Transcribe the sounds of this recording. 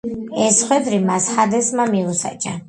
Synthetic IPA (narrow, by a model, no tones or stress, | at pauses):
ɛsχwɛd̪ɾimashad̪ɛsmamiusa̰t͡ʃʼa